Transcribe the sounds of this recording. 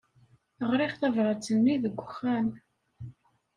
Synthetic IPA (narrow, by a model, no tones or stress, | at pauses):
əʁɾɪχθævʁət͡sːənːiðəɡʷːəxːæn